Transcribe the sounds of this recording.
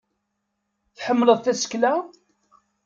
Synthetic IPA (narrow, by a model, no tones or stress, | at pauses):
θħəmːələðˤθæsə̥klæ